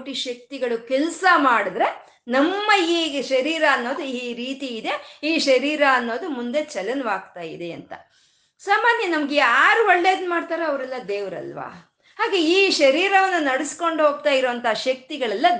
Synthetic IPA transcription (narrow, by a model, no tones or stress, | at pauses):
ʈiʃɐk̚t̪iɡɐɭukɛlsɐmaːɽid̪ɾe̞ | nɐmːɐiːʃɐɾiːɾɐːnːo̞ːd̪uiːɾiːt̪iːd̪e̞iːʃɐɾiːɾaːnːo̞ːd̪umund̪e̞t͡ʃɐlɐnʋaːɡt̪aːjḭd̪e̞ɐ̰nt̪ɐ̰ | saːmaːnjɐnɐmɐɡeaːɾuoɭːe̞ːd̪nmaːɖt̪aːɾeɐʋɾɛlːɐd̪eːʋɐɾɐ̰lʋa̰ː | haːɡe̞iːʃɐɾiːɾɐʋɐnːunɐɽisko̞ɳɖɦo̞ːɡ̚t̪aːjiɾoʋɐnt̪ɐɦaʃɐk̚t̪iɡɐɭɛlːɐ